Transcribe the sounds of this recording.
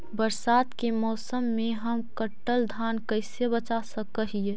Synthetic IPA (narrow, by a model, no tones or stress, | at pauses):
bəɾsaːt̪kemɔːsəmːẽɦəmkəʈːəld̪ʱaːnkɐɪsebət͡ʃasəkəɦie